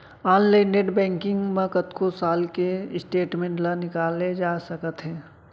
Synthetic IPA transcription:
aːnlaɪnːeʈbɛ̃ːŋkɪ̃ŋɡmẽkət̪kosaːlkeɪsʈeːʈmẽːɳʈlɐnɪkaːlːed͡ʒaːsəkət̪ɦɛ̃ː

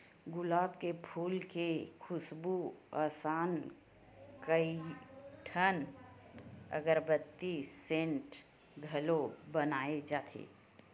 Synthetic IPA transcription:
ɡʊlaːbkepʰuːlkekʰʊsbuaːsaːn | kəiʈʰən | ə̰ɡəɾbət̪ːisẽːɳʈ | ɡʱɐlobənaːed͡ʒaːt̪ʰḛː

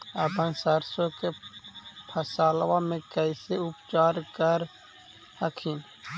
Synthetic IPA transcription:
əpənsəɾsõke | pʰəsaːlwamẽkəɪseʊpt͡ʃaːɾkəɾ | həkʰin

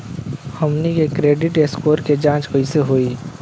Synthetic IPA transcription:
həmnikekɾeːɖɪʈeskoːɾked͡ʒãːt͡ʃkoiseɦoːiː

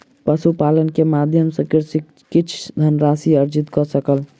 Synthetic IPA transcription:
pəsupalənkemad̪ʱjəmsəkiɾsik | kit͡ʃʰd̪ʱənɾasiəɾd͡ʒit̪kɔsəkəl

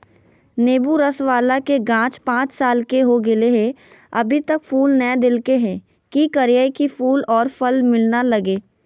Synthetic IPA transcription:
neːbuɾɐsʋaːlakeɡãːt͡ʃpãːt͡ʃsaːlkeɦoɡɪleɦɛ̃ | ɐbʱit̪əkfuːlnɛd̪ɪlkeɦɛ̃ː | kikɐɾijaːikifuːlɔːɾfɐlmɪlnalɐɡeː

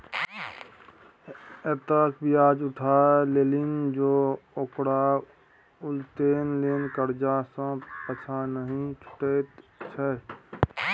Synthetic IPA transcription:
et̪əkbʱiaːd͡ʒʊʈʰaːleːlɪnd͡ʒoːokɽa | ʊlt̪eːnleːnkəɾd͡ʒasə̃pət͡ʃʰanəɦĩt͡ʃʰʊ̥ʈet͡ʃʰɛ

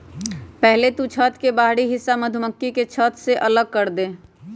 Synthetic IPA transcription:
pɛɦlet̪ut͡ʃʰət̪kebaːɦɽiɦɪsːaməd̪ʱʊməkːiket͡ʃʰət̪seʔɐləɡ̚kəɾd̪eː

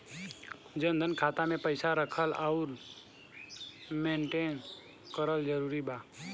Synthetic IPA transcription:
d͡ʒə̃nd̪ʱənkʰaːt̪amẽpəɪsaɾəkʰəlaʊɾ | mẽːɳʈeːn | kəɾəld͡ʒəɾuːɾibaː

